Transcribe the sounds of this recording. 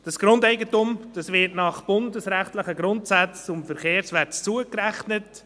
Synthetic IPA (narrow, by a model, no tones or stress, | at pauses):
d̥ɑsɡ̥ɾʊndɛɪɡətʊmd̥ɑsʋɪtnɑχb̥ʊndəsɾæχtləχəɡɾʊntsat͡sʊmfɛɾχeːɾsʋæt͡suəkɾæχnət